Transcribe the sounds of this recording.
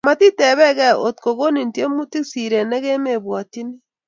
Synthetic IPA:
ma˨ti˦te˨βɛ˦ɣe˦o˨tko˨ɣo˦ni˨n˨ti˦e˦mu˦ti˦si˨ɾe˨ne˦ɣe˦me˨βwa˨ti˦ne˦

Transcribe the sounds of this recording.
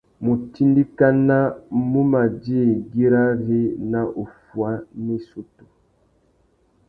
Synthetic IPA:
mu˨ti˦ndi˦ka˦na˦mu˦ma˨d͡ʒi˦˨ɡi˦ɾa˦ɾi˦na˦ʔo˨fwa˦ne˦su˦tu̥˨

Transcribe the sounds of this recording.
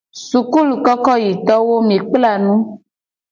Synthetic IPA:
su˨ku˦lu˨kɔ˦kɔ˦ji˨t̪ɔ˦wo˦m̃˨e˨k͡pla˦˨nũ˦

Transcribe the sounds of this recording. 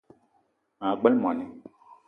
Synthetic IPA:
ã˨ɡ͡bɛ˦lm˨ã˨nɛ̃˨

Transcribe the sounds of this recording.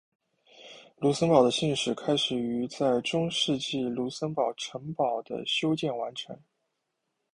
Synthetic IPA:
lu˧˥sə˥npɑ˨˩ʊd̪ə˦ɕi˥˩nʂɻ̩˨˩kʰa˥ɪʂɻ̩˨˩y˧˥t͡sa˥˩ɪʈ͡ʂʊ˥ŋʂɻ̩˥˧t͡ɕi˥˩lu˧˥sə˥npɑ˨˩ʊʈ͡ʂʰɤ˧˥ŋpɑ˨˩ʊd̪ə̰˦ɕjo˥ʊt͡ɕjɛ˥˩nwa˧˥nʈ͡ʂʰɤ̰˧˥ŋ

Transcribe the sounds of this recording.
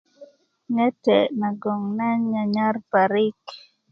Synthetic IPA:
ɲɛ˦tɛ˨na˨ɡɔ˨ŋna˦ɲɲa˨ɲa˦rpa˨ɾɪ˦k

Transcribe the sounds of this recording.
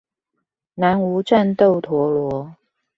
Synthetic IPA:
na˧˥nu˧˥ʈ͡ʂa˥˧nt̪o˥˩ʊt̪ʰwɔ˨˥lwɔ˧˥˦

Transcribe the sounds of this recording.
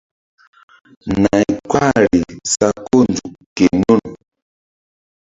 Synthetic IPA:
na˨jkwa˦ɾi˨sa˨ko˦nd͡zu˨ke˨nu˦˨n

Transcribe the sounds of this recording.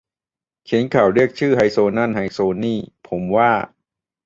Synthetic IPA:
kʰi˨˦ənkʰaː˨˩wɾi˥˩ək̚t͡ɕʰɯː˥˩ɦa˧˩jsoː˧na˥˩˨nha˧˩jsoː˧niː˥˩pʰo˩˦mwaː˥˩

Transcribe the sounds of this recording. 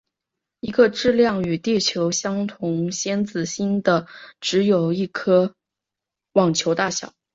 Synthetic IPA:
i˧˥ɡə˧ʈ͡ʂɻ̩˥˧ljɑ˥˩ŋy˨˩t̪i˥˩t͡ɕʰjo˧˥ʊɕjɑ˥ŋt̪ʰʊ˧˥ŋɕjɛ˥nt͡sɹ̩˨˩ɕi˥nd̪ə˨ʈ͡ʂɻ̩˧˥jo˨˩ʊi˥˩kʰɤ˥ | wɑ˨˩ŋt͡ɕʰjo˧˥ʊt̪a˥˩ɕjɑ̰˨˩˦ʊ

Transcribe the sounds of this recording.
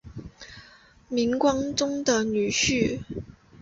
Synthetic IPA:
mi˧˥ŋkwɑ˥ŋt͡sʊ˥ŋd̪ə˨ny˨˩ɕy˥˩

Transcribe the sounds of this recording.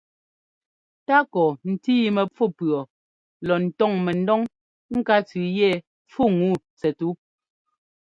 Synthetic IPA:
ta˦kɔ˨n̩˨ti˦i˦mɛ˨p͡fu˦˨pɰɔ˨ | lɔ˨n̩˨tɔ˦˨ŋmɛ˨n̩˦dɔ˦ŋ | ŋ̩˦ka˦t͡sʉ˨jɛ˦˨ | p͡fu˦˨ŋu˦˨ | t͡sɛ˨tu˦

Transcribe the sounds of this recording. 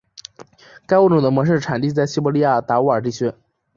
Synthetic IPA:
ka˥ɪwu˥˩ʈ͡ʂu˨˩d̪ə˦mwɔ˧˥ʂ̬ɻ̩˥˩ʈ͡ʂʰa˨˩nt̪i˥˧t͡sa˥˩ɪɕi˥˩pɔ˧˥li˥ja˥˩t̪a˧˥u˥ə˞˨˩ʈ͡ʂi˥˩t͡ɕʰɥɛ˥n

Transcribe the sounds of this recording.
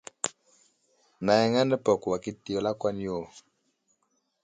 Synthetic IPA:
na˨jɛ˨ŋa˦nɛ˦pɔ˨ku˨wa˨ki˦ti˨ɔ˨la˦kwa˦ni˦o˦˨

